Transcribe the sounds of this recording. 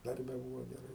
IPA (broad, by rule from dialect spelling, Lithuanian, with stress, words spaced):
ˈdɐrʲbʲɛ ˈbuːʋoː ɡʲɛˈrɐɪ